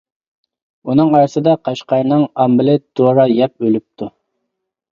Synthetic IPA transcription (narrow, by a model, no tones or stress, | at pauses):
unɨŋɑɾɨsɨd̪ɑqʰɑʃqɑɾnɨŋɑmbɪlɪd̪̥oɾɑjɛp̚ølyp̚t̪ʰu